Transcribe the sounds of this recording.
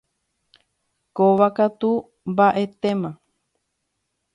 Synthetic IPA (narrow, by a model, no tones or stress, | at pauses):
koʋakat̪u | mbaʔe̞t̪emã